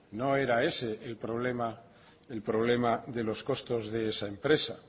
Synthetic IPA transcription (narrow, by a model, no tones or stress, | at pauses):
no̞e̞ɾae̞seːlpɾo̞β̞lema | elpɾo̞β̞le̞maðe̞lo̞sko̞st̪o̞zðe̞esaempɾe̞sa̰